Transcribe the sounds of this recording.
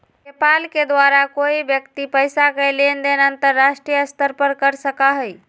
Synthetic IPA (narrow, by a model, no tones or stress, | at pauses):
nepalked̪ʋaɾakoibjəkt̪ipəjsakəlend̪enənt̪əɾːasʈɾijəəst̪əɾpəɾkəɾsəkaɦəj